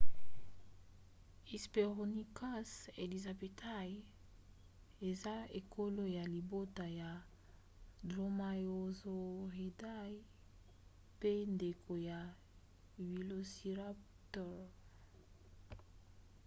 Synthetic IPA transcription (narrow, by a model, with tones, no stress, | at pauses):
i˨spe˨ʁo˨ni˦ka˦se˨li˨za˨be˨tʰa˦j | e˨za˦e˨kʰo˦lo˦ja˨li˨bo˦ta˨ja˨ | dʁo˦ma˨jo˨zo˦ʁi˨da˦ji˦ | pe˦nde˨kʰo˨ja˨ | wi˨lo˨si˨ʁa˦ | tɔ˦˨